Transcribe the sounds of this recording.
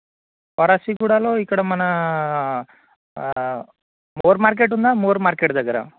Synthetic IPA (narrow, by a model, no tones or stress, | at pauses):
pɔɾasikuːɽaloikːɐɽɐmɐnɐ | moːɾmaːɾk̬eʈund̪amoːɾmaːɾkeʈd̪ɐɡɐɾa̰